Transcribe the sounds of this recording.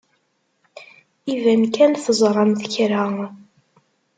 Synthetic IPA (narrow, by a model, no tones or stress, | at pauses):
ivænkænθəzˤɾˤɑmθəçɾæ